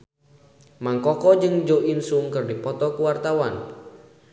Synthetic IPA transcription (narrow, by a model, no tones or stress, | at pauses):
maŋkɔkɔd͡ʒɨŋd͡ʒoʔinsuŋkɨrdipɔt̪ɔkuwart̪awan